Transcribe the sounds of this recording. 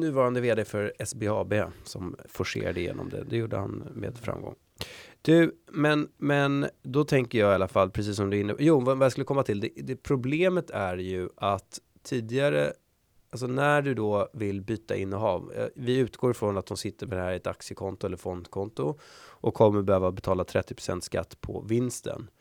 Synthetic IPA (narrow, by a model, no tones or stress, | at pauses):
nʉ̟ːvɑːɾand̪əveːd̪efœɾɛsbeɑːbeːsɔmfɔʂḛːɾad̪əjḛːnɔ̰md̪ɛ̰d̪ɛjuːɖə̰ha̰nmḛːd̪fɾa̰mɡɔ̰ŋː | d̪̥ʉmɛnmɛnd̪ɔt̪ʰɛŋkəjɑːɡalːafalːpʰɾɛs̬iːs̬ːɔmd̪ɵɪnːəpajuːvvajaskɵlːəkʰɔmːat̪ʰɪld̪ɛd̪ɛpʰɾʊbleːmət̪ʰæɾjɵʔat̪ʰː | iːd̪ɪɡaɾə̰ | als̬ɔnæɖɵd̪ɔvɪlbyːt̪a̰ʔɪnːɔɦɑːv̰vɪʉ̟ːt̪ɡoːɾfɾɔnat̪̚d̪ɔmsɪt̪ːəɾmɛd̪ɛhæːɾɪɛt̪aksjəkʰɔnt̪ʊɛlːəɾfɔnd̪kʰɔnt̪ʊʔɔkʰːɔmːəɾbɛhøːvabɛt̪ʰɑːlat̪ʰɾɛt̪ːɪpʰɾ̥ʊsɛ̰nt̪ska̰t̪ːpʰɔ̰vɪnst̪ʰə̰n